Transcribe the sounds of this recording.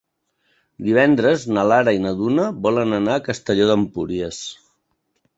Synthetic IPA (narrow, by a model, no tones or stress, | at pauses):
d̪iβ̞ɛnd̪ɾəznəlaɾəinəðunəβɔlənənaːkəst̪əʎoðəmpuɾiəs